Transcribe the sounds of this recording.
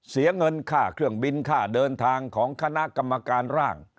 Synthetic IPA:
si˨˩˦ɐŋɤ˧nkʰaː˥˩kʰɾɯ˥˩əŋbi˧nkʰaː˥˩dɤː˧nt̪ʰaː˧ŋkʰɔː˩˦ŋkʰa˧na˦˥ʔka˧mːa˧kaː˧nɾaː˥˩ŋ

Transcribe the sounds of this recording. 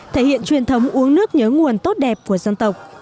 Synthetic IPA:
t̪ʰe˧˩hḭ˧˨ənt͡ɕwi˨˩ənt̪ʰə˨˦wŋ͡mʔu˨˦əŋnɨ˦˥ək̚ɲɨ̰ː˧˨˦ŋu˨˩ənt̪o˦˥t̚ɗɛ˨˩p̚ku˧˩əzə˧nt̪ə˨˩wk͡p̚

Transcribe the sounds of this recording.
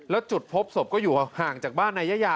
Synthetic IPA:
lɛ˦˥wt͡ɕu˨˩t̪̚pʰo˦˥p̚so˨˩p̚kɔː˥˩juː˨˩haː˨˩ŋt͡ɕaː˨˩k̚baː˥˩nːʔa˧˥jːa˦˥jaː˧

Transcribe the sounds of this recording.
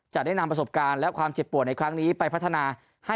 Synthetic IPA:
t͡ɕa˨˩da˥˩jna˧mpɾa˧so˨˩p̚kaː˧nlɛ˦˥ʔkʰwaː˧mt͡ɕe˨˩t̪̚pu˨˩əna˧jkʰɾa˦˥ŋniː˦˥pa˧jpʰt̪ʰːa˧naː˧ | ha˥˩

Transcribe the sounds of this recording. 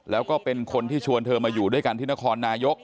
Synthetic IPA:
lɛː˦˥wkɔː˥˩pe˧nkʰo˧nt̪ʰiː˥˩t͡ɕʰu˧ənt̪ʰɤː˧maː˧juː˨˩du˥˩əjka˧nt̪ʰiː˥˩na˦˥kʰɔː˧nːaː˧jo˦˥k̚

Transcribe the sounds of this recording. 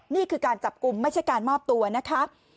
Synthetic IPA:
niː˥˩kʰɯː˧kaː˧nt͡ɕa˨˩p̚ku˧mːa˥˩jt͡ɕʰa˥˩jkaː˧nmɔː˥˩p̚t̪u˧ɐna˦˥kʰa˦˥

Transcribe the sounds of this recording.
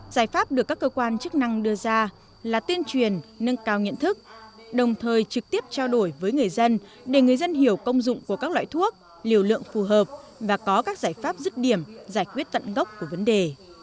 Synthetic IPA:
zaː˧˩jfaː˦˥p̚ɗɨ˨˩əkːaː˦˥kːəː˧kwaː˧nt͡ɕɨ˦˥k̚na˧ŋɗɨ˧əzaː˧ | laː˨˩t̪i˧ənt͡ɕwi˨˩ənːə˧ŋkaː˧wɲḭ˧ənt̪ʰɨ˦˥k̚ɗə˨˩wŋ͡mt̪ʰəː˨˩jt͡ɕɨ˨˩k̚t̪i˦˥əp̚t͡ɕaː˧wɗo˧˩jvəː˨˦jŋɨ˨˩əjzə˧n | ɗe˧˩ŋɨ˨˩əjzə˧nɦi˧˩əwkə˧wŋ͡mzʊ̰˧˨ŋ͡mku˧˩əkaː˦˥k̚la̰ː˧˨jt̪ʰu˦˥ək̚ | li˨˩əwlɨ̰˧˨əŋfu˨˩ɦəː˨˩p̚ | vaː˨˩kɔ˨˦kaː˦˥k̚zaː˧˩jfaː˦˥p̚zɨ˦˥t̚ɗi˧˩əmzaː˧˩jkwi˦˥ət̚t̪ə̰˧˨nɣə˦˥wk͡p̚ku˧˩əvə˨˦nɗe˨˩

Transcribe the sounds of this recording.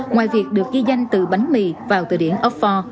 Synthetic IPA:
ŋwaː˨˩jvi˨˩ək̚ɗɨ˨˩ək̚ɣi˧za˧jŋ̟t̪ɨ̰˨˧˨ɓa˨˦jŋmḭ˧˨vaː˨˩wt̪ɨ̰˧˨ɗi˧˩ənʔə˦˥fɔ˧

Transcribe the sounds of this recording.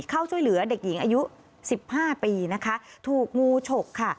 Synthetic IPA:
kʰa˥˩wt͡ɕʰu˥˩jlɯ˩˦ɐde˨˩k̚ji˨˩˦ŋʔaː˧ju˦˥ | si˨˩p̚haː˥˩piː˧na˦˥kʰa˦˥ʔt̪ʰuː˨˩k̚ŋuː˧t͡ɕʰo˨˩kʰːa˥˩

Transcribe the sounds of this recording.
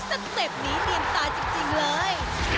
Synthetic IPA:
sa˨˧˥k̚se˨˩p̚niː˦˥t̪i˧əmsaː˨˦t͡ɕi˧ŋt͡ɕi˧ŋlɤː˧j

